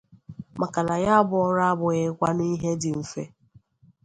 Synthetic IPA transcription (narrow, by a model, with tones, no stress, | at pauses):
ma˨ka˨na˨ja˦a˦bʊ˨ɔ˦ɾa˦a˦bʊ˨ɣɪ˦kʷa˦ni˦ɦe˦dɪ˨m̩˨fḛ˦